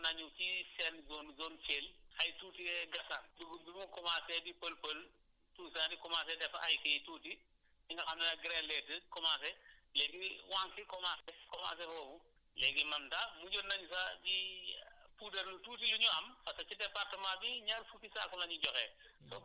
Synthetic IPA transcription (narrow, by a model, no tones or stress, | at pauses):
nɐɲut͡ʃisɛnzɔːnzɔːnt͡ʃeːlhɐjtuːtiɛɡɐsanduɡubuukɔmasɛdipəlpəl | tuːsadikɔmaːs̬ɛdɛfa̰jsituːti | iŋɡɐxamnɐnɐɡɾɛlɛtəkɔmasɛlɛɡiwaːŋkikɔmaːsɛkɔma̰s̬ɛhɔfu | lɛɡimɐmtamuɟonnːɐɲusadi | puːdɐɾnutuːt̬iluɲuɐmfɐsɐt͡ʃidɛpartɐmaːbiɲaɾfutisaːkɔnaɲuɟɔxɛ | sɔ